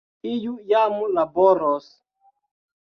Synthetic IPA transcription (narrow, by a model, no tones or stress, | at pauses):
ijujamulabɔɾɔs